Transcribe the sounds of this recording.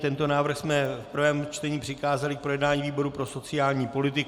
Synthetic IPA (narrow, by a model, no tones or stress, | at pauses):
t̪ɛnt̪o̞naːvr̩xsmɛfpr̩vɛːmt͡ʃt̪ɛɲiːpr̝̥ɪkaːzalɪk̚pɾo̞jɛdnaːɲiːviːbo̞ɾupɾo̞so̞t͡sɪjaːlɲiːpo̞lɪt̪ɪk